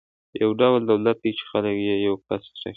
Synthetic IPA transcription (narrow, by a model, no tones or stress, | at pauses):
jawɖawld̪awlat̪̚d̪it͡ʃɪ̥xaləkjejawpast̪ɾa̰